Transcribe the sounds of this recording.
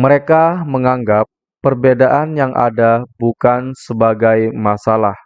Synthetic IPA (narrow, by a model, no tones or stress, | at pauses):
məɾekaməŋaŋɡapː | ərbedaʔanjaŋʔa̰dabukansəbaɡajmasalah